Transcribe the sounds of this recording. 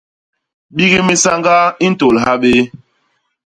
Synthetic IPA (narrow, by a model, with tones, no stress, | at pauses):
ɓi˦ɣi˦mi˦sa˦ŋɡa˦i˦n̩˦to˨lɦa˦ɓe˦